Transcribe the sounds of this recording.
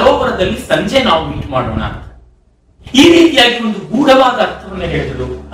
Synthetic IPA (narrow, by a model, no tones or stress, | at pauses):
ɾoːʋɐɾɐd̪ɐlːisɐɲd͡ʒenaːʋumiːʈma̰ːɽoːnɐ̰ | iːɾiːt̪ijaːɡiond̪uɡuːɽɐʋaːd̪ɐːɾt̪ʰɐʋɐnːeɦeːɭd̪ɐlu